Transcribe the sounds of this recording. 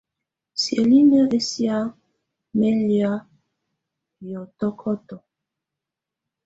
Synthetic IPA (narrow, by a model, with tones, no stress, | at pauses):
sje˨li˦nə˦ʔe˦si˦a˦ | me˦li˦a˦ | jɔ˨tɔ˦kʰɔ˦tɔ˨